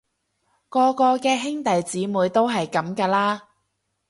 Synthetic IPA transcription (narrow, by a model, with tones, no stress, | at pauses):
kɔː˧kɔː˧kɛː˧ɦɪ˥ŋt̪ɐ˨jt͡siː˨˥muː˨˧jt̪o˥wɦɐ˨jkɐ˨˥mkaː˧laː˥